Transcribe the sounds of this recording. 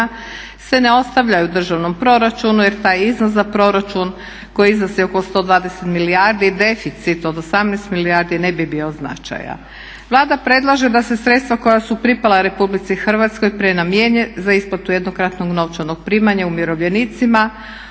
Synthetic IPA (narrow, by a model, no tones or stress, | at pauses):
sʋe̞neo̞st̪aʋʎajud̪r̩ʒaʋno̞mpɾo̞ɾat͡ʃunujeɾt̪aːjiznos̬zapɾo̞ɾat͡ʃun | ko̞jiiznosio̞kost̪o̞ːd̪ʋaːd̪e̞set̪miliaɾd̪id̪e̞fit̪sit̪o̞d̪osamnɛst̪miliaɾd̪inebibiozna̰t͡ʃa̰ja̰ | ʋlˠaːd̪apɾe̞d̪lˠaʒe̞d̪ase̞sɾe̞t̪st̪ʋako̞jasupɾipalaɾe̞publit̪sixrʋat̪skojpɾenamjeɲezaisplat̪ujed̪no̞kɾat̪no̞ɡno̞ʋt͡ʃano̞ɡ̥̚pɾiːmaɲaumjiɾo̞ʋʎe̞nit̪sima